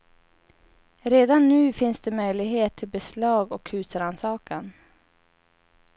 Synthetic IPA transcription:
ɾeːd̪anːʉ̟ːfɪnsd̪ɛmœjlɪɡɦeːt̪ʰːɪlbɛslɑːɡɔkhʉ̟ːsəɾansɑːkan

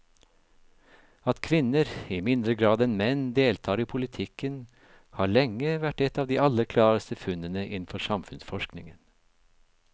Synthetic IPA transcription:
ɑt̪kʰʋɪnəɾiːmɪnd̪ɾəɡɾɑːd̪ɛnmɛnd̪eːlt̪ʰɑːɾiːpʰʊlɪt̪ʰɪkən | hɑːɭɛŋːəʋæʈɛt̪ɑːʋd̪iːɑləɾkʰlɑːɾəst̪əfʉnənəʔɪn̩fɔsɑmfʉnsfɔʃknɪŋən

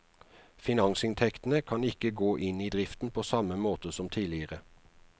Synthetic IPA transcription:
fɪnɑŋsɪnt̪ʰɛkt̪n̩əkʰɑnɪkəɡoːʔɪniːd̪ʁɪft̪n̩pʰoːsɑməmoːt̪əsɔmt̪ʰiːlɪəʁə

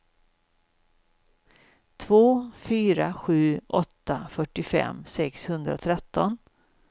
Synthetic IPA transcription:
t̪ʰvoːfyːɾaɧʉ̟ːʔɔt̪ːafœʈːɪfɛ̰mːsɛkshɵnd̪ɾa̰t̪ʰɾɛt̪ːɔn

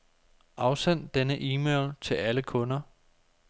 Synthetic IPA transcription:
ʔɑ̈ʊsen̰dd̥enəʔiːmeɪlt͡sʰe̝læləkʰɔ̽nɐ

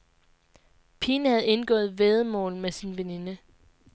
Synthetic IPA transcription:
pʰinhæð̞̩ˠe̝nɡ̥ɔ̰̽ːð̩ˠʋeːð̞ˠmɔ̰̽ːlmesinʋene̝nə

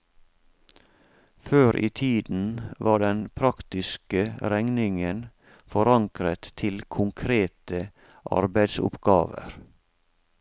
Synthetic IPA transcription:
føːɾʔḭːt̪ʰiːd̪n̩ʋɑːɖɛnpʰɾɑkt̪ɪskəɾɛŋnɪŋən | fɔɾɑŋkɾət̪ʰɪlkʰʊŋkʰɾeːt̪ə | ʔɑ̰ɾbæɪd̪sʊ̰pɡɑːʋə̰ɾ

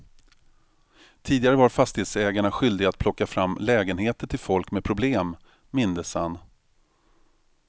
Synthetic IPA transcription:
t̪ʰiːd̪ɪɡaɾəvaɾfast̪ɪheːt̪sɛːɡaɳaɧʏld̪ɪɡat̪̚pʰlɔkːafɾamːlɛːɡənheːt̪əʈʰɪlfɔlkmɛpʰɾʊbleːm | mɪnd̪əsanː

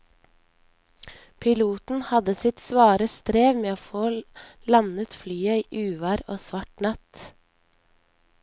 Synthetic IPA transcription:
pʰɪluːt̪n̩hɑd̪əsɪt̪sʋɑːɾəst̪ɾeːʋmeːoːfoːlɑnət̪flyːəiːʔʉːʋæɾoːsʋɑʈnɑt̪

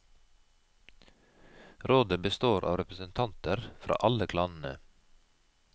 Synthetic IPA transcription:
ɾoːd̪əbəst̪oːɾʔɑ̰ːʋɾɛpɾəsənt̪ʰɑnt̪əɾfɾʔɑ̰ːʔɑləkʰlɑːnn̩ə̰

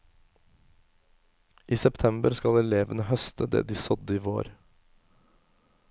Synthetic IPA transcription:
ʔiːsɛpt̪ʰɛmbəɾskɑlɛleːʋənəhœst̪əd̪ḛːd̪iːsɔd̪əiːʋo̰ːɾ

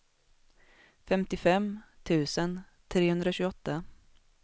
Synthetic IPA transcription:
fɛmt̪ɪfɛmt̪ʰʉ̟ːsən | t̪ʰɾeːhɵnd̪ɾaɕʉːɡɔt̪ːa

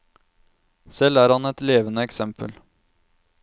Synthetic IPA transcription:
sɛlæːɾhɑnɛt̪leːʋənəɛksɛmpʰə̰l

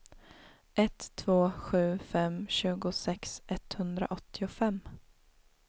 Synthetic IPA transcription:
ɛt̪ʰːvoːɧʉ̟ːfɛmɕʉ̟ːɡʊsɛksɛt̪hɵnd̪ɾa̰ʔɔt̪ʰːɪʊfɛmː

